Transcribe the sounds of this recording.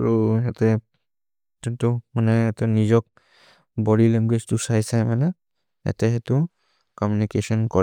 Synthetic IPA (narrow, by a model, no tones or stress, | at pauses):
aɹuɛtɛ | tɔntumanɛːtɛnizɔk̚ | bɔɾilɛŋɡwed͡ʒtusajsajmanɛ | ɛ̰tɛhɛtu | kɔmjunikesɔnkɔ